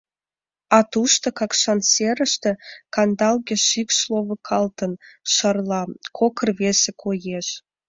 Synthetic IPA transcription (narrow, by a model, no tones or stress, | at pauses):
ɑt̪uʃt̪ə̆kɑkʃɑnseɾə̆ʃt̪ĕkɑnd̪ɑlˠɡʲeʃikʃlˠovə̆kʰɑlt̪ə̆nʃərlˠɑkʰokə̆rvesekʰojeʃ